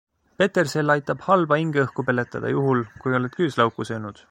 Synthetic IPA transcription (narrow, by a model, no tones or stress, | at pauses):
pe̞t̪ːˑe̞rse̞lːɑjt̪ːˑɑb̥hɑlb̥ɑiŋɡ̥eɤhkupe̞let̪ːˑɑ̰d̪̥ɑ̰juɦulkujo̞let̪̚kyːslɑwkːˑusøːnud̪̥